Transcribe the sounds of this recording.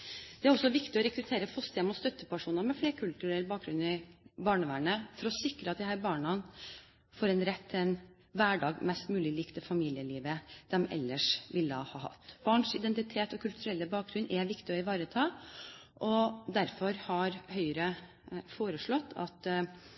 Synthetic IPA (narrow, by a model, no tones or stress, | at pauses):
d̪ɛæɾɔsːɔʋɪkt̪ɪɔɾɛkɾʉt̪ʰeːɾəfɔst̪ɪɛmʊt̪st̪œt̪ːəpɑʂuːnəɾmɛfleːɾkʰʉlt̪ʉɾɛlːbɑːk̚ɾʉnɪbɑːɳəʋæːɳəfɔɾɔsɪkɾəɑt̪̚d̪ɪhæːɾbɑːɳɑn | fɔɾɛnɾɛt̪ʰːɛn | ʋæːɖɑːɡmɛst̪mʉːlɪliːkt̪əfɑmiːlɪəliːʋəd̪̥ɛmɛ̰lːəʂʋɪlːəɑ̰hɑ̰ːhɑ̰t̪ːb̥ɑːɳʂɪd̪ɛnt̪ɪt̪ʰeːt̪ɔkʰʉlt̪ʉɾɛlːəbɑːk̚ɡɾʉnʔɛʋɪkt̪ɪɔɪʋɑːɾət̪ʰɑː | ʔɔd̪æɾfɔɾhɑɾhœʏɾə | foːɾəʂɭɔt̪ʰːɑt̪